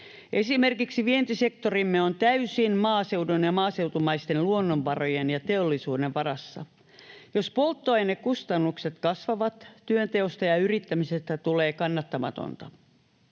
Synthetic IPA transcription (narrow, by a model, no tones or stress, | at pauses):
ʔe̞simerkiksiʋient̪ise̞kt̪orimːeont̪æysinmɑːse̞wdunjɑmɑːse̞wt̪umɑist̪enluonːomʋɑrojenjɑt̪eolːisuːdeʋʋɑrɑsːɑ̰ | jospo̞lt̪ːoɑjnekkust̪ɑnːukset̪kɑsʋɑʋɑt̪tyønt̪eost̪ɑjɑyrit̪ːæmisest̪æt̪ule̞ːkɑnːɑt̪ːɑmɑ̰t̪o̰nt̪ɑ